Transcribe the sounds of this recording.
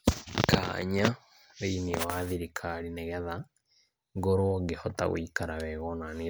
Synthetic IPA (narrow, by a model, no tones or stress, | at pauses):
ka̰ɲa | βeiniɛwaðiɾikʰaɾinɛɣɛða | ŋɡoɾwɔɡehɔ̰ta̰ɣo̰ikaɾaβɛɣɔnane